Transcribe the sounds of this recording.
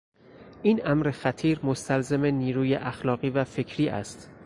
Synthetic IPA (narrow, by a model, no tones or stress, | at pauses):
ʔiːnæmɾe̞xæt̪ʰiːɾmost̪ʰælzeme̞niːɾuːjeʔæxlɒːɣiːvæfe̞cʰɾiːʔæ̰st̪